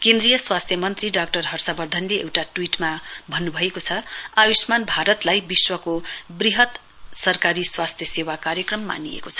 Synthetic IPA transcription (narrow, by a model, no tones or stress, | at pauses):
kẽnd̪rijʌswast̪ʰjʌmʌnt̪riɖak̚ʈʌrɦʌrsabʌrd̪ʱʌnleḛwʈaʈwiʈmabʱʌnːubʱʌekot͡sʰʌabismanbʱaɾʌt̪lajbiswʌkobriɦʌt̪ | sʌrkaɾiswast̪ʰjʌsewakaɾjʌkrʌmːa̰niḛkot͡sʰʌ̥